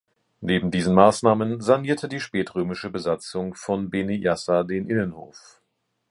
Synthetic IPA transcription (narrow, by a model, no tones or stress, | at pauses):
neːbm̩diːzn̩maːsnaːmənzaɐniːɐtʰədiːʃpɛːtʁøːmɪʃəbəzat͡sʊŋfɔnbenijasadeːnʔɪnənho̰ːf